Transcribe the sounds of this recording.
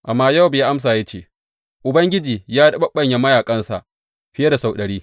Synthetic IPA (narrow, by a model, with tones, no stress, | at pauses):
ʔa˨mːaː˦ja˦˨wbe˨ʔa˦ms̬aː˨ja˦t͡ʃḛː˦˨ | ʔʊ˨bɐ˦ŋɡʲɪ˦d͡ʒiː˨jaː˦dɐ˦ɓɐ˦ɓːɐ˨ɲja˨˦mɐ˦jaː˨kʼɐ˦nsa̰˨ʔ | ɸɪ˦je˦da˨sa˨wɗɐ˨ɽiː˦